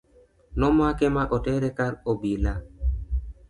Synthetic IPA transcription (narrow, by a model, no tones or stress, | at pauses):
nɔmakɛmaʔotɛɾɛkaɾobila